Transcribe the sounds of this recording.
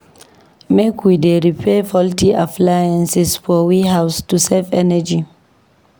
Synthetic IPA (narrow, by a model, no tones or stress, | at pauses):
mekʰwideɾipʰefɔltiʔaplajãnsɛsfɔwihawstuselfɛnɛd͡ʒi